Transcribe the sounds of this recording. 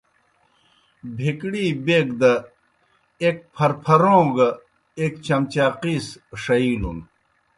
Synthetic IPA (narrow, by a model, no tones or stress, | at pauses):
bʱekɽiːbeːɡ̚d̪ɐ | ek̚pʰɐɾpʰɐɾõːɡɐ | eːkt͡ɕɐmt͡ɕaːqiːsʂɐiːlṵn